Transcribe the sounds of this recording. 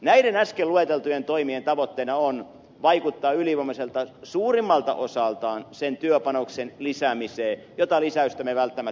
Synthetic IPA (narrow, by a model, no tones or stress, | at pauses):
næidenæskeluet̪elt̪ujent̪oimient̪ɑʋot̪ːeinɑon | ʋɑikut̪ːɑːyliʋɑmoselt̪ɑsuːrimːɑlt̪ɑ̰ʔosɑlt̪ɑːnsent̪yøpɑnoksenlisæmiseː | jot̪ɑlisæyst̪æmeʋælt̪ːæmæ